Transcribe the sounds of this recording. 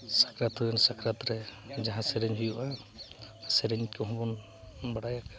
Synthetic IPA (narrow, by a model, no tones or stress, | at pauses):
sakɾat̪ɔansakɾat̪ɾɛd͡ʒaɦãsɛɾɛɲɦujuʔa | sɛɾeɲkɔɦɔ̃bɔn | baɽajak